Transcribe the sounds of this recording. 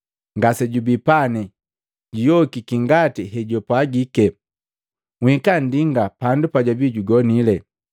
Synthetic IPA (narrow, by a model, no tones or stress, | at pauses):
ŋɡasɛɟubipanɛ | ɟijɔkikiŋɡatiɦɛɟɔpwaɡikɛ | ŋwikandiŋɡapandupaɟabiɟuɡɔnilɛ